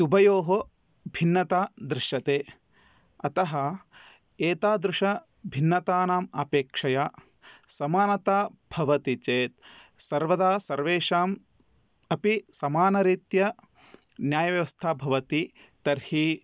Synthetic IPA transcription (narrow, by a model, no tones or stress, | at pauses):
ubʱɐjoːɦo | bʱinːɐt̪aːd̪ɾɪʃɐt̪eː | ɐt̪ɐɦɐ | eːt̪aːd̪ɾɪʂɐ | bʱinːɐt̪aːnaːma̰ːpeːkʂɐjaː | sɐmaːnɐt̪aːbʱɐʋɐt̪it͡ʃeːt̪̚sɐɾʋɐd̪aːsɐɾʋeːʂaːm | ɐpisɐmaːnɐɾiːt̪jɐ | njaːjɐʋjɐʋɐst̪ʰaːbʱɐʋɐt̪i | t̪ɐɾhi